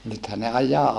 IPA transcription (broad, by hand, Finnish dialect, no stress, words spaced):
nythæ ne ɑjˑɑː